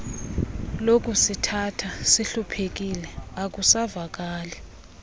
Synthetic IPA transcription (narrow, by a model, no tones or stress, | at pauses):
lok̬ʼusitʰatʰasiɬupʰek̬ilɛak̬usavak̬aːlɛ